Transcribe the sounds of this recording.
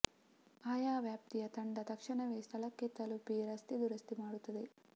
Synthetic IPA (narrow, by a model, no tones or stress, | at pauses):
aːjaːʋjaːp̚t̪ijɐt̪ɐɳɖɐt̪ɐkʂɐɳɐʋeːst̪ʰɐlɐkːet̪ːɐlupiɾɐst̪id̪uɾɐst̪imaːɽut̪ːɐd̪e